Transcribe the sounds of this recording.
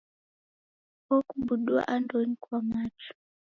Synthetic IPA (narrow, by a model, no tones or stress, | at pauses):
kɔkubuɗua̰ʔandɔnikwamat͡ʃu̥